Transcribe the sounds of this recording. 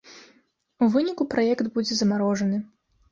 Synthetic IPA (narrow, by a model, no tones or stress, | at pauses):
uvɨnʲikupɾajɛkd̪bud͡zʲɛzɐmaɾɔʐɐnɨ